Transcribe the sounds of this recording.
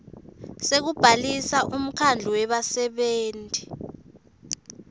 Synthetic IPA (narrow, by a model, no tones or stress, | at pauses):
sek̬ub̥ʱalisaʔum̩kʰand͡ɮʱuwɛɓasɛɓeːntʼi̥